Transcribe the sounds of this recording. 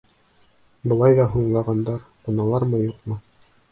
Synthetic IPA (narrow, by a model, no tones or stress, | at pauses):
bɤ̆lˠɑjðɑɦuɴlˠɑʁɑnd̪ɑɾqŏnɑlˠɑɾmɤjuqmɤ